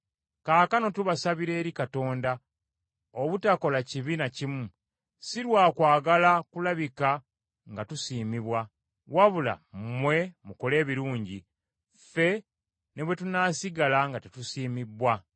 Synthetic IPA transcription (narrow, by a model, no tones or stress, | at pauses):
kaːkano̞tuβasaβiɾe̞ːɾikato̞ːnda | oβutako̞laciβinacimu | siɾwaːkwaːɡalakulaβika | ŋɡatusiːmiβwa | waβula̰mmwe̞muko̞le̞ːβiɾuːɲɟi | fe̞ | neβwe̞tunaːsiɡalaŋɡatetusiːmibwa